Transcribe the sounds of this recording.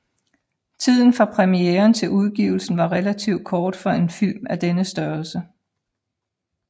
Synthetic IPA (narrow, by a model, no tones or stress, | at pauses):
t͡sʰið̞̰ˠn̩fʁɑ̈pʰʁɛmieːɐnt͡sʰe̝luð̞ˠɡ̥ḭːʊl̩sn̩ʋɑ̈ʁɛlæt͡sʰiʊd̥̚kʰɒːd̥fɒ̽e̝nfilmæd̥enəsd̥ɶɐlsə